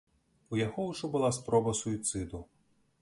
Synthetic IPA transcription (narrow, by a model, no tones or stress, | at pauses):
ujaɣɔwʐɔbɨlˠaspɾɔbɐsuit̪sɨd̪u